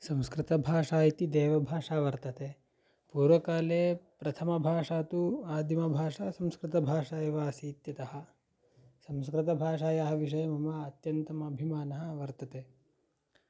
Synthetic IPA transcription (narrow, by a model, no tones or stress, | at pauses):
sɐ̃mskɾɪt̪ɐbʱaːʂaːit̪id̪eːʋɐbʱaːʂaːʋɐɾt̪ɐt̪eː | puːɾʋɐkaːleːpɾɐt̪ʰɐmɐbʱaːʂaːt̪uaːd̪imɐbʱaːʂasɐmskɾɪt̪ɐbʱaːʂaːjɐʋaːsiːt̪jɐt̪ɐɦɐ̆ | sɐmskɾɪt̪ɐbʱaːʂ̬aːjɐɦɐʋiʂ̬ɐjɐmɐmɐːt̪jɐnt̪ɐmɐɐbʱimaːnɐɦɐ̆ʋɐɾt̪ɐt̪eː